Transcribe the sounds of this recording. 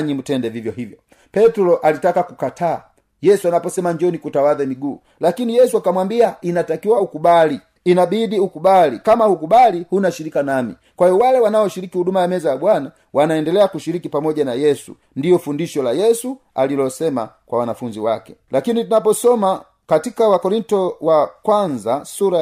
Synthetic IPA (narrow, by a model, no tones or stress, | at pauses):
ɲim̩tɛndɛvivjɔɦivjɔ | pɛtulɔʔalitakakukatʰaː | jɛsuanapɔsɛmaɲd͡ʒɔnikutawaðɛmiɡuː | lakinijɛsuakamwambiainatakiwaukubaliː | nabidiukubalikamahukubalihunaʃiɾikanamḭ | kwahiɔwalɛwanaɔʃiɾikihudumajamɛzajabwana | wʔanaɛndɛlɛakuʃiɾikipamɔɟanajɛsṵ | ndijɔfundiʃɔlajɛsu | alilɔsɛma̰kwawanafuɲd͡ʒiwakɛ̥lakinitunap̬ɔsɔma | katikawakɔɾintɔwakwanzasuɾa